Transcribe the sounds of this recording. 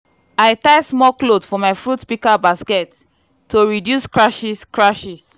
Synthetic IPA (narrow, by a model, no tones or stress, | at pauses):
ajtaɪsmɔklodfɔmaɪfɹutpikabaskɛt | tʰːoɹidjuskɹaʃiskɹaʃis